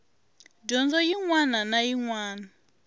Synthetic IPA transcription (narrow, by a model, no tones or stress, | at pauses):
ɟɔnd͡zɔjiŋwananajiŋwaːna